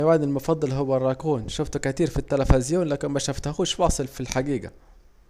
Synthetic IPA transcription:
waʕd̪ɪlmofɑd̪ˤːɑlɦowːærˤːɑkuːnʃoft̪ukæt̪iːɾfit̪ːælæfezjoːnlæːkenmæʃæft̪xuːʃwɑːsˤelfilħaɡiːɡæ̰

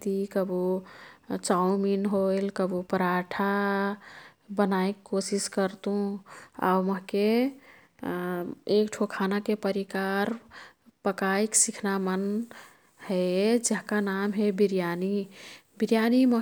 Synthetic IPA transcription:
t̪ikəbo | t͡ʃauminɦoelkəbupəɾaʈʰa | bənaekkːosiskəɾt̪ũa̰uməɦke | ekʈʰokʰanakepəɾikaɾpəkaiksikʰnamən | hɛd͡ʒəɦkanamɦebiɾjanibiɾjanimə

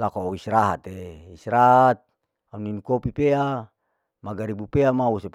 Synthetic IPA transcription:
lakoisɾaɦat̪eisɾat̪̚ | auninukopipea | maɡaɾibupeamausep

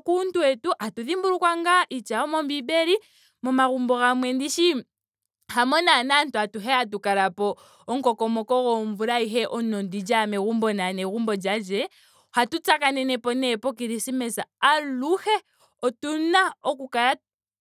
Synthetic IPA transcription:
kuntwɛtuʔatuðimbuɾukwaŋɡaʔit͡ʃaɔmɔmbibɛɾi | mɔmaɣumbɔɣamwɛndiʃi | hamɔnanantuatuɦɛat̬ukaɾapɔ | ɔŋ̩kɔkɔmɔkɔɣɔɱvuɾaiɦɛʔɔnɔndid͡ʒamɛɣumbɔnanɛɣumbɔd͡ʒad͡ʒɛ | hatut͡sakanɛnɛpɔnɛpɔk̬iɾisimɛsaːluhɛ | ɔtunaɔkukaɾa

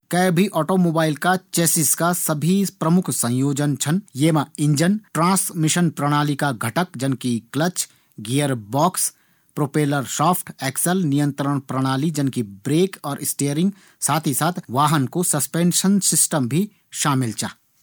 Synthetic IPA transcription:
kɐːbʱiʔɔːʈomoːbaːɪlkat͡ʃeːsɪskasɐbʱipɾɐmʊkʰsɐ̃joːd͡ʒənt͡ʃʰənjeːmaɪ̃ɲd͡ʒənʈɾãːsmɪʃənpɾəɽ̃aːlikaɡʱɐʈəkd͡ʒɐnkiklət͡ʃ | ɡeːəɾbɔːks | pɾoːpeːləɾsɔːpʰʈɛːksəlnijə̃nt̪ɾəɽ̃pɾəɽ̃aːlid͡ʒɐnkibɾeːkɔːɾʔɪsʈeːɾɪ̃ŋɡ | saːt̪ʰisaːt̪ʰʋaːɦənkosɐspẽːnʃənsɪsʈəmbʱi | ʃaːmɪlt͡ʃʰa̰

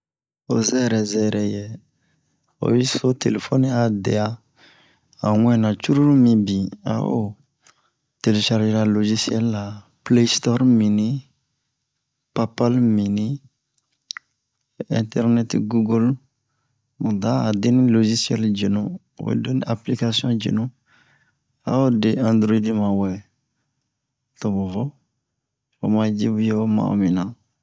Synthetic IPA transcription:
ozɛɾɛzɛɾɛje | o̰jisotḛlefoniadeja | aŋɛ̃nãt͡ʃuɾuɾumĩbĩa̰o̰ | teleʃaɾd͡ʒiɾaloʒisiɛlːa | plestɔɾmĩni | papalmĩni | ɛ̃ntɛɾnɛtɡuɡol | mudaːdeniloʒisiɛld͡ʒenõ | o̰denaplikasijɔ̃d͡ʒḛnũ | a̰odeãd̪ɾoidimawɛ | tobovɔ | omad͡ʒibujemã̰o̰mĩnã

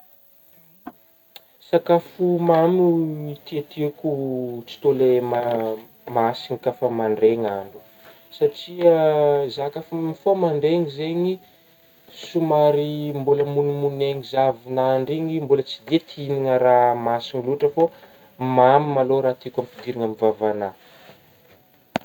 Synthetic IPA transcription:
sakafumamuit̪iat̪ʰikut͡si̥t̪olema | masiŋikafamaɳɖ͡ʐeŋaɳɖ͡ʐu̥ | saʈ͡ʂiəzakafamifomaɳɖ͡ʐeŋizeɲi | sumaɾimboləmunimuneŋizavinaɳɖ͡ʐiɲimbulət͡sid̪et̪ʰiniŋəɾamasiŋiluʈ͡ʂəfo | mamimaloɾaːt̪ikampid̪iɾiŋamivavana

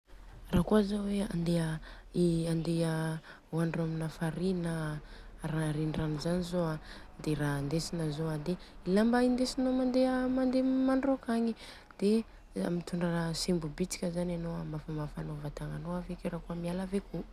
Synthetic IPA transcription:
raːkuazowea̰nd̪eəiand̪e | waɳɖ͡ʐaminafaɾinə | ɾaɾinranuzanizoad̪eɾand̪esinəzoad̪e | ilambaind̪esinomand̪eəmand̪emaɳɖ͡ʐokaɲi | d̪̥e | a̰mit̪uɳɖ͡ʐaasembubit͡si̥kʲəzananoamafamafanovat̪aŋanoavekiɾakuəmialaveku

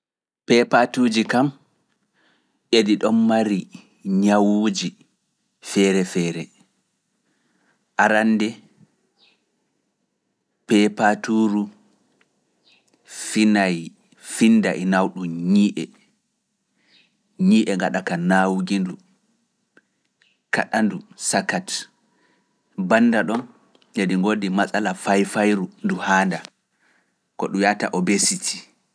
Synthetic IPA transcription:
pɛpatuːd͡ʒikam | ʔediɗɔmːaɾi | ɲawud͡ʒi | fɛɾɛfɛːɾɛ | ʔaɾanːdɛ | pɛpatuɾu | finaj | finːdaʔinawɗuɲiʔɛ | ɲiːʔɛŋɡaɗakanawɡindu | ka̰ɗandusakat | banːdaɗɔn | jediŋɡodimasʼalafajfajɾunduhaːnda | kɔɗujata̰ʔɔbesitʰi̥

